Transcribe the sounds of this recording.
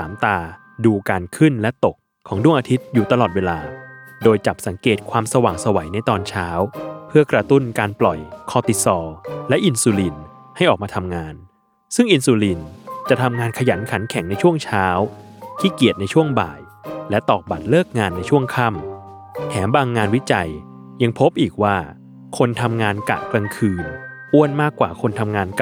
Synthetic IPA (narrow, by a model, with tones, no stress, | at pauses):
saː˩˦mt̪aː˧ | duː˧kaː˧nkʰɯ˥˩nlɛ˦˥t̪o˨˩kʰːɔː˩˦ŋdu˥˩əŋʔaː˧t̪ʰi˦˥t̪̚juː˨˩t̪a˧lɔː˨˩t̪̚weː˧laː˧doː˧jt͡ɕa˨˩p̚sa˩˦ŋkeː˨˩t̪̚kʰwaː˧msa˧waː˨˩ŋsa˧wa˩˦jna˧jt̪ɔː˧nt͡ɕʰaː˦˥wpʰɯ˥˩ɐkɾa˧t̪u˥˩nkaː˧nplɔ˨˩jkʰɔː˧t̪i˨˩sɔː˧lɛ˦˥ʔi˧nsuː˧li˧n | ha˥˩jʔɔː˨˩k̚mː˧t̪ʰa˧mŋaː˧n | sɯ˥˩ŋʔi˧nsuː˧li˧nt͡ɕa˨˩t̪ʰa˧mŋaː˧nkʰa˧ja˩˦nkʰa˩˦nkʰɛ˩˦ŋna˧jt͡ɕʰu˥˩əŋt͡ɕʰaː˦˥wt̪ʰiː˥˩ki˨˩ət̪̚na˧jt͡ɕʰu˥˩əŋba̰ː˨˩j | lɛ˦˥t̪ɔː˨˩k̚ba˨˩t̪̚lɤː˥˩k̚ŋaː˧nːa˧jt͡ɕʰu˥˩əŋkʰa˥˩m | t̪ʰɛː˩˦mbaː˧ŋːaː˧nwi˦˥t͡ɕa˧j | ja˧ŋpʰo˦˥p̚ʔiː˨˩k̚waː˥˩ | kʰo˧nt̪ʰa˧mŋaː˧nka̰˨˩t̪̚kɾa˧ŋkʰɯː˧nʔu˥˩ənmaː˥˩kːwa̰ː˨˩kʰo˧nt̪ʰa˧mŋaː˧nk